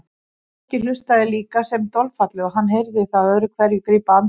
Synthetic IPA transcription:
ɛhcɪlʏst̪aðɪliːkasɛmt̪ɔlfat̪lɪɔɦanːɦejɾðɪθaðœɾʏkʰvɛɾjʏkɾiːpaan

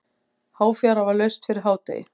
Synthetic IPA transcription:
haːwfjaɾavalœɥst̪fɪɾɪɾ̥ɦaːwt̪ḛjɪ̰

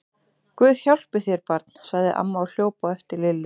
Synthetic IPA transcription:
kvʏːðçawl̥pɪθjɛɾpaɾt̪n̥saɣðɪʔa̰mːaːwl̥joːwpaɛft̪ɪɾlɪlːʏ

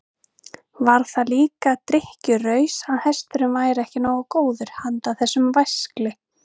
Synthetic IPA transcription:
vaɾ̥θaliːkat̪ɾɪhcʏrœːɥsaðhɛst̪ʏɾʏmvaːjɾɛhcɪnawɔkoːwðʏɾ̥hant̪aθɛsːʏmvajsklɪ

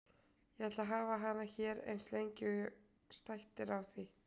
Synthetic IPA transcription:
jɛɛt̪laɦaːvaɦanːaçɛːɾḛjnslejɲcɪ | st̪ajht̪ɪɾawθi

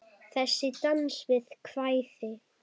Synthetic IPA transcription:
θɛsːɪt̪ansvɪðkʰv̥ajθɪ

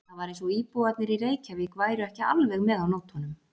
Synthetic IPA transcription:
avaɾẽnsɔiːpuat̪nɪɾireːjcʰavikvaːjɾʏɛhcɪa̰lvɛɣmɛðawnoːwt̪hɔnʏm

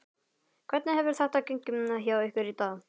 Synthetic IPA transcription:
kʰvɛɾt̪nɪɦɛvʏɾ̥θaht̪akeŋkʏmnaɦjawʏhkʏɾit̪a

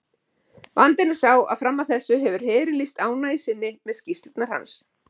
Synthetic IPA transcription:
vant̪ɪnḁsaːwa̰ðfɾamːaθɛsːʏɦɛvʏɾ̥hɛːɾɪlist̪aːwnajsɪnːɪmɛðscist̪ɪt̪naɾ̥ha̰ns

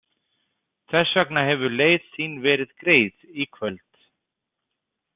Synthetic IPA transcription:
θɛsːœknaɦɛvʏɾleːjðsiːnvɛːɾɪðkɾeːjðikʰvœlt̪

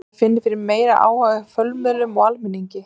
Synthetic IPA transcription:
fɪnːɪɾfɪɾɪɾmeːjɾaʔa̰ːwhaɣɪfœlmɛðlʏmɔalmɪnːiɲcɪ

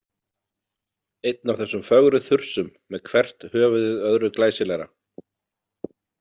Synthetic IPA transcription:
ejt̪̚navθɛsːʏmfœɣɾʏθʏr̥sʏmːɛðkʰvɛr̥t̪hœːvʏðɪðœðɾʏklaːjsɪlɛɾa̰

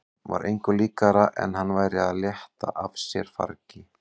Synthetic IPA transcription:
va̰ɾʔḛjŋkʏliːkaɾaʔɛ̰nɦanːvaːjɾɪaðljɛht̪a̰ʔafsjɛɾ̥fa̰ɾcɪ

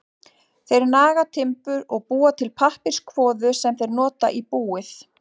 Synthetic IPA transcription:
θejɾnaːɣat̪ʰɪmpʏɾɔɣpuːat̪ʰɪlpʰahpɪ̥skʰvɔːðʏsɛmθejɾnɔːt̪a̰ʔipuːɪθ

